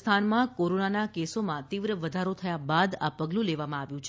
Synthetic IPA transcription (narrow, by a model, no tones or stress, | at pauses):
t̪ʰanmãkoɾonanakesomãt̪iʋɾəʋəd̪ʱaɾot̪ʰəjabad̪a̰pəɡlũleʋamãaʋjũt͡ʃʰ